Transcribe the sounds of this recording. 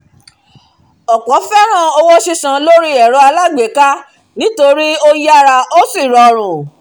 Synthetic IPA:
ɔ˨kɔ˨˦fɛ˦ɾ̃ã˦˨o˧wɔ˦ʃi˧sã˧lo˦ɾi˦ɛ˨ɾo˦a˧la˦˨ɡ͡be˨ka˦ | nĩ˨˦to˧ɾi˦o˦ja˦ɾa˧ʔo˦si˦˨ɾɔ˨ɾ̃ũ˨

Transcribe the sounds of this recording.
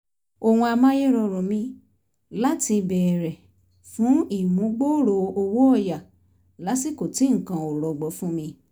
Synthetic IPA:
o˧w̃ũ˧a˧mã˦je˦ɾɔ˧ɾɔ˨mĩ˧ | la˦ti˧bɛ˨ɾɛ˨ | fũ˨˦i˦˨mũ˨˦ɡ͡bo˦ɾo˧o˧wo˦ɔ˦˨ja˨ | la˨˦si˦˨ko˨ti˨˦ŋ̩˨kã˧o˨ɾɔ˨ɡ͡bɔ˨˦fũ˦mĩ˧

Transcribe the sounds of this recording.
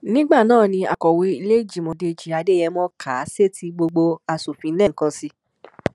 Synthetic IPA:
nĩ˦ɡ͡ba˦˨nãː˦˨nĩ˧a˨kɔ˨we˧i˧le˦d͡ʒi˨mõ˧de˧˨d͡ʒi˨a˧de˦jɛ˧mɔ̃˦kʰa˨˦se˦ti˧ɡ͡bo˧ɡ͡bo˧a˧su˨fĩ˧˦lɛ˦˨ŋ̩˨kã˧si˧

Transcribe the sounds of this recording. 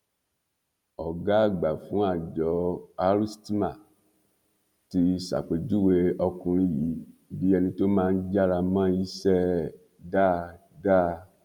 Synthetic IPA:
ɔ˨ɡa˦a˦˨ɡ͡ba˨fũ˨˦a˦˨d͡ʒɔ˨˦a˧ɾi˦sti˦ma˨ | ti˧sa̰˨k͡pe˨d͡ʒu˦we˧ɔ˧kũ˧ɾ̃ĩ˧˦ji˨˦bi˦ɛ˧nĩ˧to˦mãː˦˧n̩˦d͡ʒa˦ɾa˧mã˦i˦sɛ˦ | da˦˨ | da˦

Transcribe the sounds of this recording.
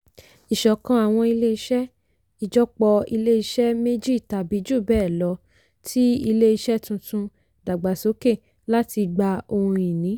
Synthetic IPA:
i˨ʃɔ˨kã˧a˨w̃ɔ̃˧i˧le˦i˧ʃɛ˦ | i˨d͡ʒɔ˦k͡pɔ˧i˧le˦i˧ʃɛ˦me˦d͡ʒi˦˨ta˨bi˨˦d͡ʒu˦˨bɛː˦˨lɔ˨˦ | tʰi˦i˧le˦i˧ʃɛ˦tũ˧tũ˧ | da˨ɡ͡ba˨so˨˦ke˦˨ | la˦ti˧ɡ͡ba˧o˧hũ˧i˨nĩ˨˦

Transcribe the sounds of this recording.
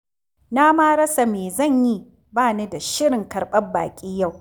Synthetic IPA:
na˦maː˦ɾɐ˦sa˨meː˨zɐ˦˨ɲji˦ | baː˦˨na˦da˨ʃɪ˦ɽɪ˨ŋkɐ˨rɓɐ˦mba̰ː˨kʲʼiː˦ja˦˨w

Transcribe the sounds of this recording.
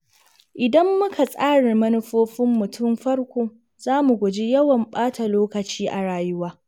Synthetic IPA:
ʔɪ˨dɐ˦mːʊ˦kʰa˨sʼaː˦ɽɪ˨rmɐ˦nʊ˦ɸoː˦ɸɪ˦mːʊ˨tʊ˦˨mɸɐ˦rkʷoː˦ | z̥aː˦mu˨ɡʷʊ˨d͡ʒi˦jɐ˦wɐ˨mɓaː˦ta˨loː˦kɐ˨t͡ʃiː˦ʔa̰˨ɽaː˨jʊ˦waː˦

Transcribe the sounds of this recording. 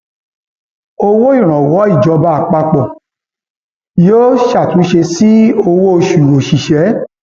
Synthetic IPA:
o˧wo˦i˦˨ɾ̃ɔ̃˨wɔ˨˦i˦˨d͡ʒɔ˨˧ba˧˦a˨k͡pa˧k͡pɔ˨ | joː˦ʃa˦˨tũ˨˦ʃe˧si˦o˧wo˦o˧ʃu˨o˨ʃi˨ʃɛ˨˦

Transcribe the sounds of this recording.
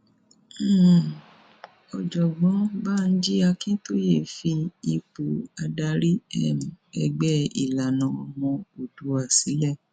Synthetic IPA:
ɔ˧d͡ʒɔ˨ɡ͡bɔ̃˨˦ba˦˨˧n̩˦d͡ʒi˦a˧kĩ˦to˦je˦˨fi˧i˧k͡po˨a˧da˧ɾi˦ɛ˦˨mĩ˨ɛ˧ɡ͡bɛ˦ḭ˨la˨nã˨ɔ˧mɔ̃˧o˨du˨˦a˦˨si˨˦lɛ˦˨

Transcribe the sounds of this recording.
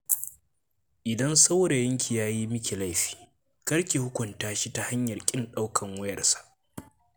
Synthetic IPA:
ʔɪ˨dɐ˦nsa˦wɽe˨jɐ˦ŋkʲi˨jaː˦ji˦mɪ˦kʲe˨la˦jɸi̥ː˨ | kɐ˦ɾkʲeː˨hʊ˦kʷʊ˨ntaː˦ʃi˦ta˨ha˦ɲjɐ˨rkʲʼɪ˦nɗa˦wkʰɐ˨ŋwʊ˦jɐ˨rsḁ˦˨ʔ

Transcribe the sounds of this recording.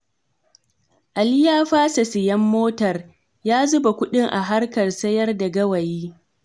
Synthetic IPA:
ʔa˨lɪ˦jaː˦ɸaː˦sɐ˨sɪ˨jɐ˦mːoː˦tɐ˨r | jaː˦zʊ˦ba˨kʷʊ˦ɗɪ˦ŋʔa˨ɦa˦rkɐ˨rsɐ˦jɐ˦rda˨ɡɐ˦wɐ˨jiː˦

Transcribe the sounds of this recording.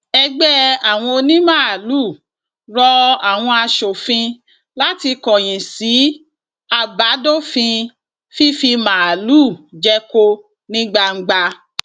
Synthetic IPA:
ɛ˧ɡ͡bɛ˦a˨w̃ɔ̃˧o˧nĩ˦mã˦˨a˨lu˦˨ | ɾɔ˧a˨w̃ɔ̃˧a˧ʃo˨fĩ˧ | la˦ti˧kɔ̃˨j̃ĩ˨si˨˦ | a˧ba˨˦do˦˨fĩ˧ | fi˦fi˧mã˨lu˦˨d͡ʒɛ˦ko˦ | nĩ˦ɡ͡ba˧ŋ̩˦ɡ͡ba˧

